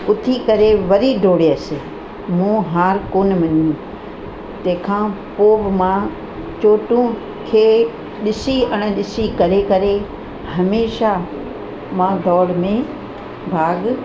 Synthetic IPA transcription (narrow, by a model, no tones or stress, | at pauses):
ʊt̪ʰikɐɾeʋɐɾiɖʱoːɽeəsɪ | mũɦaːɾkoːnmɐɲũ | t̪ɐ̃kʰã | poːʋmã | t͡ɕoːʈũ | kʰeː | ɗɪsiɐɽ̃ɗɪsikɐɾekɐɾe | hɐmeːʃa | mãːd̪ʱɔːɽmẽ | bʱaːɡ